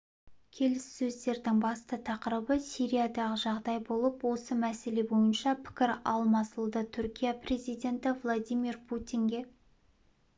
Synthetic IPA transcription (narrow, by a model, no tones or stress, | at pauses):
kʲʰe̞lɪsːɵzd̪e̞ɾd̪ɪŋbɑst̪ət̪ʰɑqəɾəbəsijɾijad̪ɑʁəʒɑʁd̪ɑjbo̞lˠəpwo̞səmæse̞le̞bo̞jənʃɑpʰɪ̥kʲɪɾɑlˠmɑsəlˠd̪ət̪ʰʏɾkʲijapre̞zijd̪ʲe̞nt̪ɪvlˠod̪ʲijmirpʰut̪ʲiŋɡʲe̞